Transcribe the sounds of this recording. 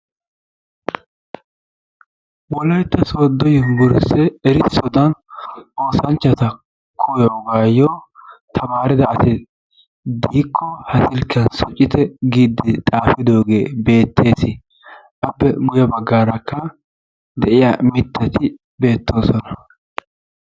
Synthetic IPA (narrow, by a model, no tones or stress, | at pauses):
wɔlɐjt̪ːɐsoːd̪ɔjɪɡʊɾɪsɛɛɾɪsɔd̪ɐnʔo̞ːsɐnt͡ʃːɐt̪ɐ | kʰɔjoːɡaːjot̪ʰɐmaːɾɪd̪ɐɐsɪ | d̪iːkʰːɔhɐsɪlkʰːɐnsɔt͡ʃʼːɪt̪ɛɡiːd̪ːɪt̪ʼaːfɪd̪o̞ːɡe̞ːbe̞ːt̪ʰːe̞ːsɪ | ʔɐbːɛmʊjɐbɐɡːaːɾɐkʰːɐ | d̪ɛʔɪjamɪt̪ːɐt̪ɪ | be̞ːt̪ʰːo̞ːsɔnɐ